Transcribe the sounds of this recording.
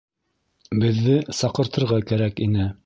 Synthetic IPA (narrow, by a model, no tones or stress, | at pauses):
bɘ̆ðːɘsɑqɤ̆ɾt̪ɤ̆ɾʁɑkæɾækinɘ